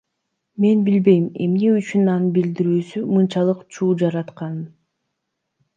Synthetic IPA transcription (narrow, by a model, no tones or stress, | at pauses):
me̞nbilbe̞jme̞̰mneyt͡ʃynɑnɯnbild̪iɾyːsymɯnt͡ʃɑlˠɯqt͡ʃʰuːd͡ʒɑɾɑt̪qɑnɯn